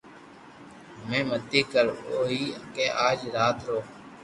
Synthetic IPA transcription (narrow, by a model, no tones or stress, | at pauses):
mẽːməd̪iːkəɾoːɦiːkeːʔaːd͡ʒɾaːt̪ɾoː